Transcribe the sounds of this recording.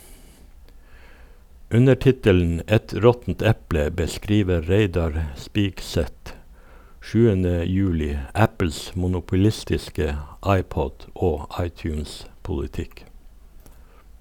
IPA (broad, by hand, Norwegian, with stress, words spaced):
ˈʉnə ˈʈɪtəln̩ ˈɛt ˈɾɔtn̩t ˈɛplə bəˈskɾiːʋə ˈɾeɪdɑɾ ˈspiːkˌsɛt ˈʃʉːənə ˈjʉːlɪ ˈæpl̩s mʊnʊpʊˈlɪstɪskə ˈɑɪˌpɔd ˈoː ˈɑɪˌtjʉːnspʊlɪˌtɪk